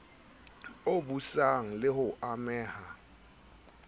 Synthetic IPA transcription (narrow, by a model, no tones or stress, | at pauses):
oɓusaŋ̩lɪhʊʔamɛːha